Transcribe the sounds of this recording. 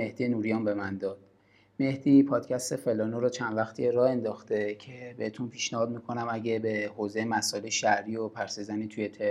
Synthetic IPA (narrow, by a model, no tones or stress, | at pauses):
me̞hd̪ijenuɾijɒːmbe̞mænd̪ɒːd̪̥̚ | me̞hd̪̥iːpʰɒːd̪̥cʰæst̪e̞fe̞lɒnoɾɒːt͡ʃʰænd̪væxt̪ʰieɾɒːe̞nd̪ɒːxt̪e̞cʰe̞behet̪ʰunpʰiːʃnæhɒːd̪̚miːkʰo̞næmæɟebehoːze̞jemæsɒeleʃæʔɾiːopʰæɾsizænit̪ʰujet̪ʰe